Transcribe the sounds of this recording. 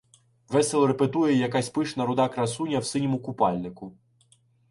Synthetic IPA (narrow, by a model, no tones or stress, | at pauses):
ʋɛsɛlˠɾepet̪ujɛjɐkɑsʲpɪʃnɐɾʊd̪ɑkɾɐsunʲɐwsɪnʲimʊkʊpɑlʲnɪkʊ